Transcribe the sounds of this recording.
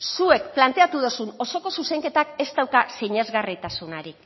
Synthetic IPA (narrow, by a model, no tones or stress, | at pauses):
sue̞kplant̪e̞at̪uðosuno̞so̞ko̞suse̞ŋke̞t̪ake̞zt̪awkaseɲe̞zɣarit̪asunaɾik